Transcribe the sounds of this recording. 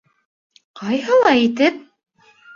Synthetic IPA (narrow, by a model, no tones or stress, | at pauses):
qɑjhɤ̆lˠɑit̪ɘp̚